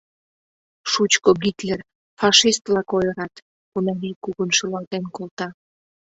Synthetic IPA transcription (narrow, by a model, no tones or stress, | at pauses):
ʃut͡ɕkoɣit̪ler | fɑʃist̪lɑkojəɾɑt̪ | kunɑlikuɣənʃəlɑlt̪enkolˠt̪ɑ